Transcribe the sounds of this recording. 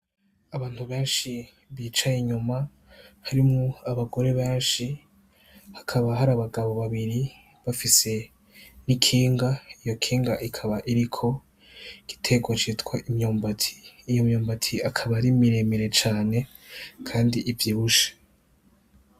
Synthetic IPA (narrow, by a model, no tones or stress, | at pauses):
aβaːn̥huβe̞ːnʃi | βiːt͡ʃajiɲuma | haɾimŋoaβaɡo̞ɾe̞βeːnʃi | hḁkʰaβaɦaɾaːβaɡaβo̞βaβiɾi | βafise̞ | nikʰiːŋɡaijo̞kʰiːŋɡaʔikʰaβaʔiɾikʰo̞ | ɡ̥i̥tʰe̞ɡwat͡ʃitwaʔimɲoːmbatʰi̥ːjomɲoːmbatʰiakʰaβaɾimiɾemiɾe̞t͡ʃaːne̞ | kʰaːndiʔivjiːβuʃḁ